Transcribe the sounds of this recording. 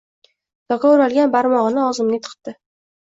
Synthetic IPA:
d̪̥ɒkɑʊɾalˠɡʲanbaɾmɒʁɨnɪɒzɪmnɪt̪ʰɨ̥qt̪ɪ

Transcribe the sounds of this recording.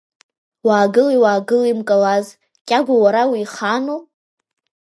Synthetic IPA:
waːɡɨlajwaːɡɨlimkʼalaz | kʲʼaɡʷawaɾawiːχano

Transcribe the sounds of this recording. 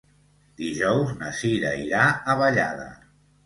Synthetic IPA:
d̪iʒɔwznasiɾa̰iɾaəβəʎa̰ðə̰

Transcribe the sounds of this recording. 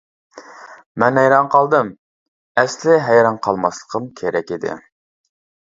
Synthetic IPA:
mɛnɛjɾɑɴqʰɑlˠd̪ɨm | ɛslɪɦɛjɾɑnqʰɑlˠmɑslˠə̥qʰəmkʲʰeɾɛkʲid̪ɪ̰

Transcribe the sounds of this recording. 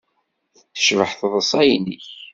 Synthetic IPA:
θθə̥ʃvəħθðˤəsˤɑjniç

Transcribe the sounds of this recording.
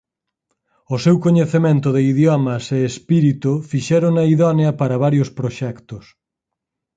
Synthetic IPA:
ʊsɛwkoɲeθemẽnt̪ʊðɪiðjɔmɐseːspiɾit̪ufiʃɛɾʊŋnɐiðɔnjɐpɐɾɐβ̞aɾjʊspɾoʃɛkt̪ʊs

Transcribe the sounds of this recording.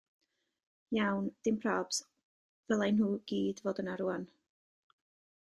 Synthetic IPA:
jawnd̥ɪmpʰrɔːbs | vɛlˠajnɦuːɡ̥iːdvoːdənaɾuan

